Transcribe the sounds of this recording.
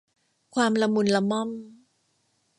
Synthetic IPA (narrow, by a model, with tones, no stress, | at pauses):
kʰwaː˧mla˧mu˧nla˧mɔ˥˩˨m